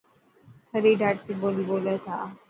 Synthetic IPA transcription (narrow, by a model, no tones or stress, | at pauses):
səɾiɖaʈkibolibolet̪a